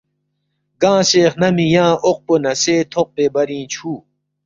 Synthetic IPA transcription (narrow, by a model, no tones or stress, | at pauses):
ɡãːseːχnɐmijãːʔoq̚ponɐseːt̪ʰoq̚peːbɐɾĩːt͡ɕʰuː